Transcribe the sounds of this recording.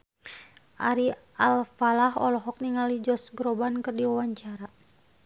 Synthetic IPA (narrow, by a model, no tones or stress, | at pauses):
ʔaɾi | alfalaɦɔ̰lɔɦɔk̚niŋalid͡ʒɔsɡɾɔbankɨrdiawaɲt͡ʃaɾa